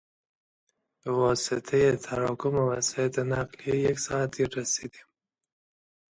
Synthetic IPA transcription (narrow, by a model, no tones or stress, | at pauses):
bəwɔsɪt̪ʰajet̪ʰaɾɑkʊmawasjat̪enaqlijejaksɑat̪̚iɾːasid̪i